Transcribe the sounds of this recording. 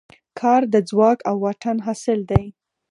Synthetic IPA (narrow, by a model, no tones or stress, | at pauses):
kʰɑɾd̪əd͡zwɑkawːaʈʰanɦɑsɪld̪aj